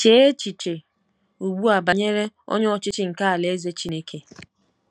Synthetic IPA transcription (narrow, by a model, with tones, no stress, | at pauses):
t͡ʃe˨˦e˦t͡ʃi˨t͡ʃe˨ | u˨ɡ͡bu˦a˨ba˨ɲe˦ɾe˦ɔ̰˦ɲ˦ɔ˦t͡ʃɪ˦t͡ʃɪ˦ŋ̩˨ka˦a˨le˨e˦ze˦t͡ʃi˦ne˦kʰe˨